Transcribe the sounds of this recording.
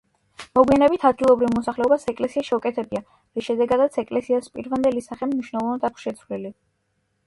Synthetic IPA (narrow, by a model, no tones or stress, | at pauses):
mɔɡwianɛbit̪ʰad̪̚ɡilˠɔbɾivmɔsaχlɛɔbasɛkʼlɛsiaʃɛukʼɛt̪ʰɛbia | ɾisʃɛd̪ɛɡad̪at̪sʰɛkʼlɛsiaspʼiɾvand̪ɛlisaχɛmniʃwnɛlˠɔvnad̪akʷʰsʃɛt̪sʰvlili